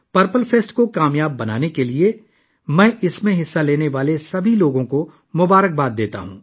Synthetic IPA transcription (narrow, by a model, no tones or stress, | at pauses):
pɐɾpəlfʰeːsʈkokaːmjaːbːɐnaːnekelie | mɛ̃ːʔɪsmẽɦɪsːaleːneʋaːlesɐbʱiloːɡõko | mʊbaːɾək̚baːt̪̚d̪eːt̪a̰ɦṵ̃ː